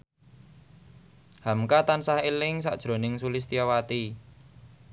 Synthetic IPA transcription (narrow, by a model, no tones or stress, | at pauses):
hamkat̪ansahelɪŋsa̰ʔd̥ʒ̥ɾo̤nɪŋsulɪs̬t̪ijawat̪i